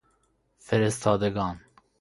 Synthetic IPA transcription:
fɛɾɛst̪ʰɑːd̪ɛɡɑːn

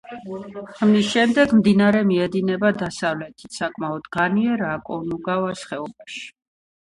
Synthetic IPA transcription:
amisʃɛmd̪ɛɡmd̪inaɾɛmiɛd̪inɛbad̪asavlɛt̪ʰi̥t̪ʰsakʼmaɔd̪̥ɡaniɛɾaːkʼɔnuɡavasχɛɔbaʃi̥

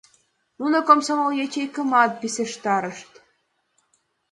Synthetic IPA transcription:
unokomsomoljet͡ɕejkə̆mɑt̪̚biseʃt̪ɑɾəʃt̪

